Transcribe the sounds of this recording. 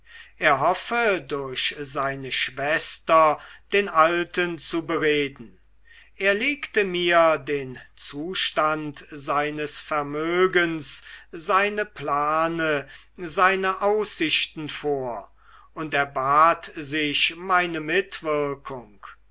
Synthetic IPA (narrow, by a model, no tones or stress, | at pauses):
ʔeːɐɦɔfədʊɐɕzaɪnəʃv̥ɛstɐd̥eːnaltənt͡subəʁeːdn̩ | ʔeːɐleːktəmiːɐdeːnt͡suːʃtantzaɪnəsfɛɐmøːɡənszaɪnəplaːnə | zaɪnɐʔaʊsɪɕtn̩foːɐ | ʔʊntɛɐbaːtzɪʃmaɪnəmɪtv̥ɪɐkʰʊŋk